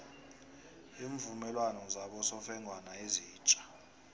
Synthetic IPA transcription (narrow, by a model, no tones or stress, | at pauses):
iːɱvumɛlwanɔzaɓɔsɔfɛŋʱwanaeziːt͡ʃʼḁ